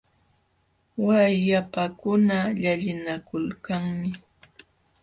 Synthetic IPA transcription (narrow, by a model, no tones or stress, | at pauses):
wajjapakʊnaʎaʎɪnakʊlkaŋmɪ